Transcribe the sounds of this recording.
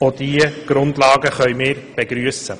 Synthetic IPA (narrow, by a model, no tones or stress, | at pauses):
od̪iəɡ̥ɾʊndlɑːɡəχœʏmɪːɾb̥eɡɾyəsə